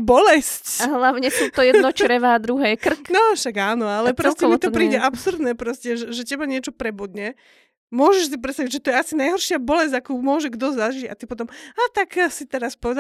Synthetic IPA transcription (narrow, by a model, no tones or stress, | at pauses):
bɔlɛscɦlaʊɲɛsuːt̪ɔjɛd̪nɔt͡ʃɾɛʋaːd̪ɾuɦɛːkr̩knɔʃaɡaːnɔalɛpɾɔscɛmit̪ɔpɾiːɟɛʔapsuɾd̪nɛːpɾɔscɛʒɛʒɛcɛbaɲɪɛt͡ʃɔpɾɛbud̪ɲɛ | mʊɔʒɛʃs̬ip̬ɾɛt̪st̪aʋiɟʒɛt̪ɔjɛasinajɦɔɾʃɪabɔlɛzɟakuːmʊɔʒɛɡd̪ɔzaʒiɟa̰t̪ipɔt̪ɔmaːt̪aksit̪ɛɾaspɔʋɛd̪a